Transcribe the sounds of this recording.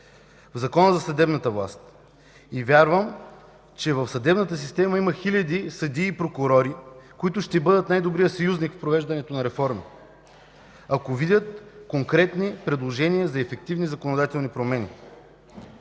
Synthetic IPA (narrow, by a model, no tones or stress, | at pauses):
vzɐkɔnəzɐsɐd̪ɛbnət̪əvlˠa̰st̪ | ivʲaɾvəm | t͡ʃɛvəfsɐd̪ɛbnət̪əs̬ist̪ɛməiməxilʲɐd̪isɐd̪iːpɾokʊɾɔɾikoit̪ʊʃt̪ɛbɤd̪ət̪najd̪obɾijəsɐjuznikfpɾovɛʒd̪ɐnɛt̪onɐɾɛfɔɾmi | akovid̪ʲjət̪koŋkɾɛt̪nipɾɛd̪lˠoʒɛnijəzɐɛfɛk̚t̪ivnizɐkonod̪at̪ɛlˠnipɾomɛnʲḭ